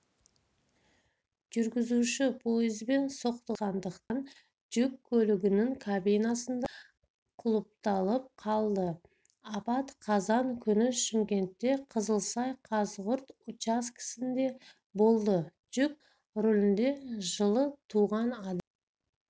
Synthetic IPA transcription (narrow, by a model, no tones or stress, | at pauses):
ʒ̥ʏɾɡʲɪzuʃɪpʰo̞jɪzbe̞nso̞qt̪ɑʁɑnd̪əqt̪ɑn | d͡ʒʏkʲʰːɵlɪɡʲɪnɪŋkʰabijnɑsənd̪ɑ | qʰʊlˠəp̚t̪ɑlˠəp̚qʰɑlˠd̪ə | ɑpɑt̪qʰɑzɑŋkʲʰʏnɪʃɪŋkʲe̞nt̪ːe̞qʰəzəlˠsɑjqʰɑzʁʊɾt̪ʊt͡ʃɑskʲʰɪ̥sɪnd̪e̞ | bo̞lˠd̪ə | d͡ʒ̥ʏk̚ʲ | ɾolɪnd̪e̞ʒəlˠət̪ʰuʁɑnɑd̪